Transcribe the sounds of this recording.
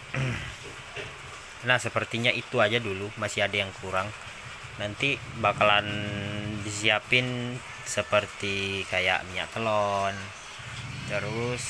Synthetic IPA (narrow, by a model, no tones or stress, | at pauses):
nahsəpərt̪iɲaʔit̪uad͡ʒadulumasiadajaŋkʰuɾaŋ | nant̪ibakalandisiapɪn | səpərt̪ikaja̰ʔmiɲa̰k̚t̪əlɔn | t̪əɾʊs